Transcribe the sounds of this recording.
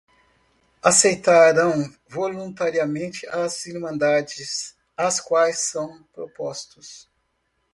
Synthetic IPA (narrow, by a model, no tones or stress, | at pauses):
asejt̪aɾɐ̃w̃ | volũnt̪aɾiamẽnt͡ʃɪʔaziɾmɐ̃nd̪ad͡ʒɪs | askwajsːɐ̃w̃pɾopɔst̪ʊs